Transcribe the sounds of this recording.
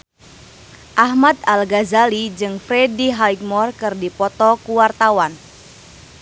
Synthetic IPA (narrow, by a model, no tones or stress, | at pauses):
ʔahmat̪̚alɡazalid͡ʒɨŋfɾɛdiɦajk̚mɔrkɨrdipɔt̪ɔkuwart̪awan